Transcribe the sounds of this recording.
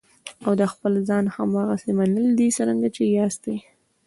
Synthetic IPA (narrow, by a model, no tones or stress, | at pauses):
awd̪əxpəlzɑnhamɑɣasemanəld̪isaɾəŋɡat͡ʃejɑst̪ej